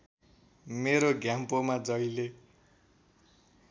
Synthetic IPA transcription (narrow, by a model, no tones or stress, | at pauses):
meɾoɡjampomad͡zʌjle